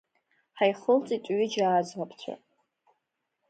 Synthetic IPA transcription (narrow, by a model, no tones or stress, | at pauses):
ħajχəlt͡sʼitʷʼɥid͡ʒaːd͡zwapʰt͡ɕʷʰa̰